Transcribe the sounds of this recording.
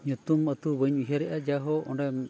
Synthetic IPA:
ɲɔt̪umət̪ubəɲuɦaɾɛʔad͡ʒaɦɔʔɔ̰ɳɖam

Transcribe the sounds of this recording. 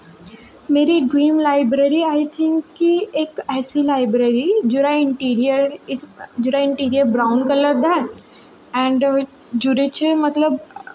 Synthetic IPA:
meːɾiɖɾĩːmlaːɪbɾeːɾiaːɪt̪ʰɪ̃ŋkːieːkɛːsilaːɪbɾeːɾid͡ʒʊɾaɪ̃ɳʈiːɾiəɾɪsd͡ʒʊɾaɪ̃ɳʈiːɾijəɾbɾaːʊ̃nkɐləɾd̪ɛ̃ | ɛ̃ːɳɖ | d͡ʒʊɾet͡ʃemɐt̪ləb

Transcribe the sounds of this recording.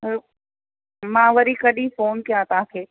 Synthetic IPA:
mãːʋɐɾikɐɗifoːnkijãt̪ãkʰeː

